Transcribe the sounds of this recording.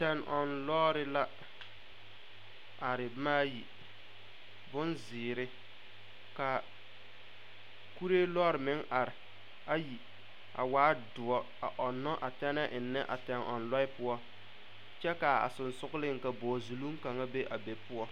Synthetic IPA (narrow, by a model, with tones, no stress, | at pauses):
tɛ˦nʔɔ˨nlɔː˦ɾɪ˦la˦ | a˨ɾɪ˨maː˦ji˨ | bʊ˦nzɪː˨ɾɪ˦ | ka˨ | ku˦ɾe˦lɔː˦ɾɪ˨mɪ˦ŋa˨ɾɪ˨ | a˦ji˨ | a̰˨waː˦dʊ˨ɔ˦ | a˨ʔɔ˨nːɔ˦ʔa˨tɛ˦nɛ˦ʔɪ˨nːɛ˦ʔa̰˨tɛ˨nɔ̰˨nlɔ˦ɪ˦pʊ˦ɔ˦ | t͡ʃɛ˦ka˨a̰˨sʊ˨nsʊ˦ɣʊ˦lɪ˦ŋ˨ka˨bɔː˨zu˨lu˦m˦ka˨ŋa˦be˦ʔa˨be˨pʊ˦ɔ˦